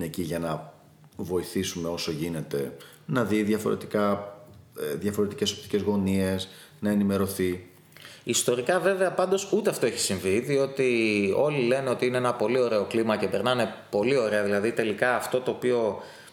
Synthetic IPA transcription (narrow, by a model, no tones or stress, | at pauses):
eciʝɐnɐ | vo̞iθisume̞o̞so̞ʝine̞t̪e̞ | nɐðiðjɐfo̞̰ɾe̞̰t̪ikɐ | ðjɐfo̞ɾe̞t̪ice̞so̞p̚t̪i̥ce̞zɣo̞nie̞s | nɐe̞nime̞ɾo̞θi | ist̪o̞ɾikɐve̞ve̞ɐpɐnd̪o̞sut̪e̞ɐft̪o̞eçi̥siɱviðio̞t̪io̞lile̞neo̞t̪iine̞enɐpo̞lio̞ɾe̞o̞klimɐce̞pe̞ɾnɐne̞po̞lio̞ɾe̞ɐðilɐðit̪e̞likɐːft̪o̞t̪o̞ːpio̞